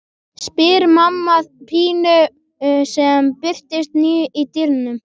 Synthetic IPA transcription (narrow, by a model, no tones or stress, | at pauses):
spɪɾmamːaðpʰiːnʏ | sɛmpɪr̥t̪ɪst̪niːʏʔit̪iɾnʏm